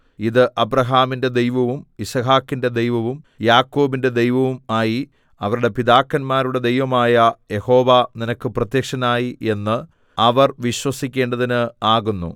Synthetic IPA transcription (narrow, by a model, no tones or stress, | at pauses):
iðɨʔɐbrɐɦaːminde̞d̪e̞jʋɐʋumisɐɦaːkːinde̞d̪e̞jʋɐʋum | jaːkːo̞ːbinde̞d̪e̞jʋɐʋumaːji | ɐʋɐɾuɽe̞piðaːkːɐnmaːɾuɽe̞d̪ejʋɐmaːjɐje̞ho̞ːʋaninɐkːɨprɐt̪jɐkʂɐnaːjiʔe̞nːɨ | ɐʋɐrʋiɕwɐsikʲːe̞ːɳɖɐðinɨaːɣunːṵ